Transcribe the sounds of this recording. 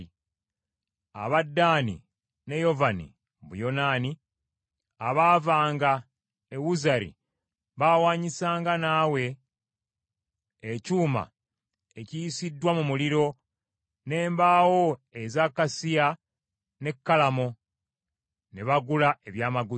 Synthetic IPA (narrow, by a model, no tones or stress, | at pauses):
a̰βadːaːnḭ | ne̞jo̞vanḭ | βṵjo̞naːni | aβaːvaːŋɡa | ewuzaɾḭ | βawaːɲisaːŋɡanaːwe̞ | cuːma̰ | ecijisidːwamumuliɾo̞ | ne̞ːmbaːwo̞ezakːasia | ne̞kːalamo̞ | neβaɡulae̞βjaːmaɡu